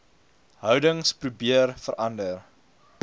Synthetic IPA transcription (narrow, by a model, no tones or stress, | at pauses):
ɦœwdəŋsprubiərfəɾʔɐndər